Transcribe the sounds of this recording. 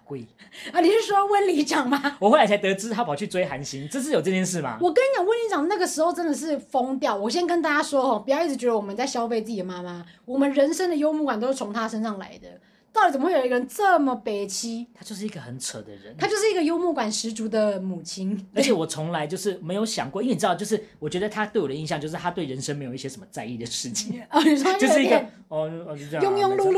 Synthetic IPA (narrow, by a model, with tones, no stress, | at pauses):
kwe˥˩ə˧˥ni˨˩ʂɻ̩˥˩ʂwɔ˥˧wə˥˩nli˧˥t͡ɕjɑ˨˩ŋma˧˦wɔ˨˩xwa˧˥˩a˧˥ɪt̪ɤ˧˥t͡sɻ̩˥t̪ʰa˥pʰʊt͡ɕʰy˥˩t͡swe˥ɪxa˧˦nɕi˦ŋʈ͡ʂɤ˥˧ʂ̬̩˥˩o˨˩ʈ͡ʂɤ˥˧jɛ˥˧nʂ̬ɻ̩˥˩ma̰˨˩wɔ˨˩k̬ə˥n˧˥t͡ɕjŋwə˥˩nli˧˥t͡ɕɑ˨˩ŋ˧˦na˥˩ɡə˩ʂɻ̩˧˥xo˥˧ʊʈ͡ʂə˦˥nd̪ə˨ʂ̬ɻ̩˥˩fo˥ŋt̪jɑ˥˨˩ʊwɔ˨˩ɕ̬jɛ˥nkə˥nt̪a˥˧t͡ɕa˥ʂwɔ˥xɔ˥˧pu˨˩jʊi˥˩˨t͡ɕɥɛ˧˥də˧wɔ˨˩mə˦t͡sa˥˩ɪɕjɑ˥ʊfe˥˧ɪt͡sɹ̩˥˩t͡ɕi˨˩ə˨ma˥ma˦wɔ˨˩mə˦nɻə˧˥nʂə˥nd̪ə˨jo˥ʊmu˥˩ka˨˩nt̪o˥ʊʂ̩ɻ̩˥˩t͡sʰo˧˥ŋnt̪ʰa˥ʂə˥nʂɑ˥˩ŋla̰˧˥ɪd̪ə̰˨ | t̪i˨t͡sə˨˩m˦˧we˥˩˨ə˧˩ə˧˦nt͡sə˥˩mə˨pe˨˩ɪt͡ɕʰi˥t̪ʰa˥t͡ɕjo˥˧ʂɻ̩˥˩i˧˥ɡə˧˩xə˧˦nt͡sʰə˨˩d̪ə˦ɻə̰˧˦nʰa˥t͡ɕjo˥˧ʊʂɻi˧˥ɡə˧jo˥ʊmu˥˩kwa˨˩nʂɻ̩˧˥ʈ͡ʂu˧˥d̪ə˨mu˨˩t͡ɕʰi˥nə˧˥t͡ɕʰjɛ˧˩wɔ˨˩t͡sʰʊ˧˦ŋla˧˦ɪt͡ɕjo˥˧ʊʂɻ̩˥˩me˧˥ɪjo˧˥ʊɕjɑ̰˨˩ŋkwɔ˥˨˧i˥˧˨ɻ̩˧˥ɑ˥˧˩t͡ɕo˥˧ʊʂɻ̩˥˩wɔ˨˩t͡ɕɥɛ˧˥d̪ə˧t̪ʰa˦˥t̪we˥˩wɔ˨˩ə˦˧i˥˧nɕjɑ˥˧t͡ɕjo˥˧ʊʂɻ̩˥˩t̪ʰa˥t̪we˥˩ɪɻə˧˦nʂə˥ŋme˧˥ɪjo˨˩ʊi˥˩ɕjɛ˥ʂə˧˩˦mə˦t͡sa˥˧ɪi˥˩d̪ə˩ʂɻ̩˥˩t͡ɕʰi˨˩ŋɔ˧˩˨jo˧ʊʂɻ̩˥˩i˥ɡ | ɔ˨˧jʊ˥ŋjʊ˥˧ŋlu˥˧l